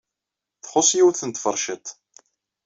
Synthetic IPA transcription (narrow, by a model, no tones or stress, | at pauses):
θχʊsˤjiwθənt̪fəɾˤʃət̪